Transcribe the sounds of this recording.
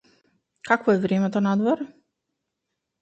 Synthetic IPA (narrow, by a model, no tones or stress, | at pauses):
kakvɔɛvɾɛmɛt̪ɔnad̪vɔɾ